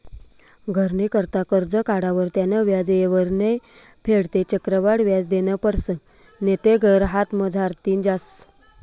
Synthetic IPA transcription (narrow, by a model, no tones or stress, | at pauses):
ɡʱəɾnekəɾt̪akəɾd͡zəkaɽaʋəɾt̪janəʋjad͡zjeʋəɾnepʰeɽt̪et͡ɕəkɾəʋaɽʋjad͡zd̪enəpəɾsə | net̪eɡʱəɾɦat̪məd͡zʱaɾt̪iːnd͡ʑas